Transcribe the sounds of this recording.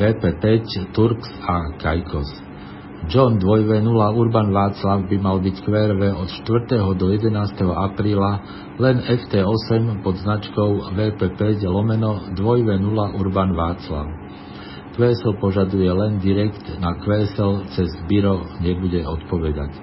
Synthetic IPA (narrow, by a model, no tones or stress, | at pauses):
ɛːpɛpɛct̪uɾksakajkʰɔs | d͡ʒɔnd̪ʋɔjʋɛnulauɾbanʋaːt͡slaʊbimalbickʋɛːɾʋɛɔt̪ʃt̪ʋr̩t̪ɛɦɔd̪ɔjɛd̪ɛnaːst̪ɛɦɔʔapɾiːla | lɛnɛft̪ɛːɔsɛmpɔd̪znat͡ʃkɔʊʋɛːpɛpɛclɔmɛnɔd̪ʋɔjʋɛnulaʔuɾbanʋaːt͡sla̰ʊ | kʋɛːsɛlpɔʒad̪ujɛlɛnd̪iɾɛkt̪nakʋɛːsɛlt͡sɛzbiɾɔɲɛbuɟɛɔt̪pɔʋɛd̪a̰c